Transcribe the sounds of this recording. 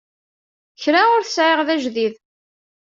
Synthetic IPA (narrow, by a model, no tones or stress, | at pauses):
çɾaʊɾθəsʕeʁðæʒðið